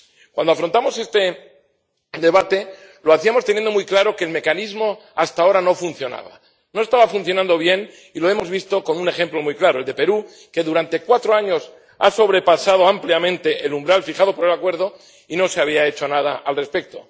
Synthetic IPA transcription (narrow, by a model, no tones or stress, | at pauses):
kwand̪oafɾont̪amo̞se̞st̪e | d̪e̞βat̪e̞ | loaθiamo̞st̪enje̞nd̪omujklaɾo̞ke̞ːlme̞kanizmo̞ast̪ao̞ɾano̞funθjo̞na̰β̞a̰ | no̞est̪aβafunθjo̞nãnd̪o̞β̞je̞n | ilo̞e̞mo̞zβist̪o̞ko̞nune̞xe̞mplo̞mujklaɾoe̞ld̪e̞pe̞ɾu | ke̞ðuɾant̪ekwat̪ɾo̞aɲo̞s | a̰so̞β̞ɾe̞pasað̞o̞ampljamẽnt̪e̞ʔelumbɾalfixaðo̞poɾe̞lakwe̞ɾð̞o̞ | ino̞se̞aβiae̞t͡ʃo̞nað̞aʔalre̞spek̚t̪o̞̰